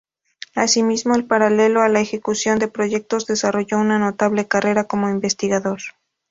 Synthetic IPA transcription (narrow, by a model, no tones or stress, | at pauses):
asimizmo̞elpaɾale̞lo̞alaexe̞kusjo̞nd̪e̞pɾo̞ʝe̞k̚t̪o̞zðe̞saro̞ʝo̞unano̞t̪aβle̞kare̞ɾako̞mo̞imbe̞st̪iɣaðo̞ɾ